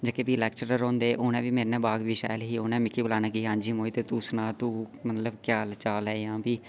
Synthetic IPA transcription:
d͡ʒəkeːbiːlɛːkt͡ʃəɾɾõːnd̪eːʔoːnɛ̃ːʋiːmeːɾnɛ̃ːbaːɡʋiːʃa̰ːjlɦiːoːnɛ̃ːmɪkʰːiːbəlaːnãːkiːɦãːɲd͡ʒiːmoːiːt̪eːt̪usnãːt̪uːmət̪ləbkjaːlt͡ʃaːlɛːjãːpiː

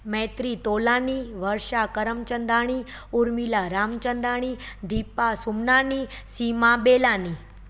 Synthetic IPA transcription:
mɛ̃t̪ɾit̪olaniʋəɾʃakəɾəmt͡ʃənd̪ʱaɽ̃i | uɾmilaɾamt͡ʃənd̪aɽ̃id̪ʱipːasumnanisimabelani

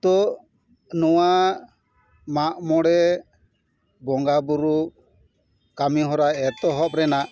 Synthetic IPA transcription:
t̪ɔ | nɔwa | maʔmɔɽɛ | bɔŋɡabuɾu | kamiɦɔɾaɛt̪ɔɦɔp̚ɾɛnaʔ

